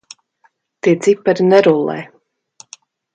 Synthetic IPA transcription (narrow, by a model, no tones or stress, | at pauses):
t̪iːzipːaɾinɛɾulˠːɛ̰ː